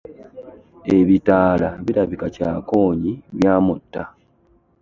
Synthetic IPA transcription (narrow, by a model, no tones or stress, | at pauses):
eβitaːlaβiɾaβikacaːko̞ːɲiβjaːmutːa